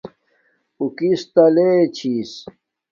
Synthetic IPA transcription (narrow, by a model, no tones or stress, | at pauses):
ukist̪ɐleːt͡ɕʰis